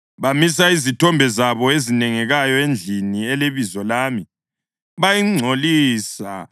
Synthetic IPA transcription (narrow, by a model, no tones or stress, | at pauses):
βamisaizitʰɔmbʱɛzaβɔezinɛŋɛɣajɔend͡ɮʱiniɛleβizɔlaːmi | βajiŋ͡ǀʱoliːsa